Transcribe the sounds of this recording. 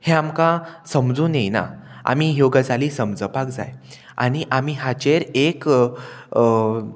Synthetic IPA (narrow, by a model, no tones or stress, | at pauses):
heamkasəmd͡zũːnejna̰a̰mijoɡəd͡zaliːsəmd͡zəpakd͡za̰j | a̰ɽ̃iʔamiɦat͡ɕeɾek